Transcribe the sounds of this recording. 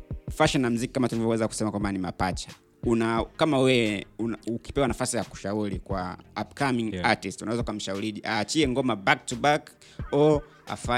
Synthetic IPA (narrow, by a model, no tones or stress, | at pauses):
faʃɔnam̩ziki̥kamatulivɔwɛzaku̥sɛmakwambanimapat͡ʃḁ | unakamawɛunauki̥pɛwanafasijaku̥ʃauɾikwaapkamiŋatistunawɛzaukam̩ʃauɾiʄiʔaːt͡ʃiɛŋɡɔmabak̚tubak | ɔ | a̰fa